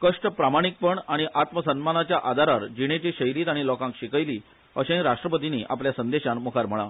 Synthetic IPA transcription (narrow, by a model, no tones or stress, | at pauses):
kəʂʈəpɾamaɽ̃ik̚pəɳaɽ̃iʔat̪məsənmanat͡ɕjaʔad̪ʱaɾaɾd͡ʑiɽ̃et͡ɕiɕəjɾiːt̪aɽ̃ilɔkãŋkɕikəjliː | ə̰ɕẽɾaʂʈɾəpət̪iniːʔa̰pljasənd̪eɕanmukʰaɾm̤əɭa